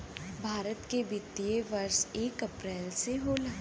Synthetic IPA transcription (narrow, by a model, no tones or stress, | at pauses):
bʱaːɾət̪kebɪt̪ːijeʋɐɾseːkɐpɾɛːlseɦoːlɐ